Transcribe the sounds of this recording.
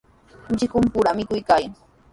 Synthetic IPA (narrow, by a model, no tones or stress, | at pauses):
t͡ʃɪkʊmpʊɾamɪkʊjkaj